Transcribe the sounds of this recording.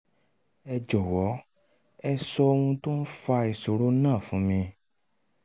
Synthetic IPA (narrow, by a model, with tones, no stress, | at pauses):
ɛ˧d͡ʒɔ˨wɔ˨˦ | ɛ˧sɔ˧o˧ũ˧to˦n̩˦fa˧i˨so˨ɾo˨˦nãː˦˨fũ˨˦mĩ˧